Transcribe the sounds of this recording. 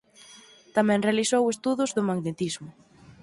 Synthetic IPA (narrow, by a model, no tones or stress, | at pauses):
t̪amɛ̃ŋrealisowest̪uðʊzðʊmaɡnet̪izmʊ